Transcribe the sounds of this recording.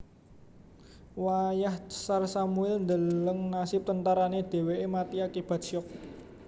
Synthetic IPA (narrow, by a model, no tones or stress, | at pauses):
wajahsarsamuɛlnd̪ələŋnasɪp̚t̪ənt̪aɾaned̪̥e̤weemat̪iakib̥a̤t̪̚ʃɔk̚